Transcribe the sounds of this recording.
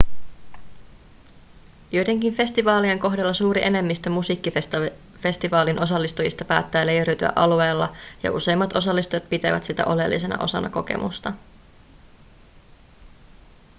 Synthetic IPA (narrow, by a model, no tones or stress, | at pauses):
jojt̪e̞ŋk̟infe̞st̪iʋɑːlieŋko̞ɦdelːɑsuːɾiʔe̞ne̞mːist̪ømusiːkːi | fe̞st̪iʋɑːlinʔo̞sɑlːist̪ujist̪ɑpæ̰ːt̪ːæːle̞jeɾyɥt̪yæ̰ʔɑlue̞ːlːɑjɑ̰ʔṵse̞jmːɑt̪ʔo̞sɑlːist̪ujɑt̪̚pit̪eʋæ̰t̪sit̪æ̰ʔo̞le̞̰lːḭse̞nɑ̰ʔo̞sɑnɑko̞ke̞̰mṵst̪ɑ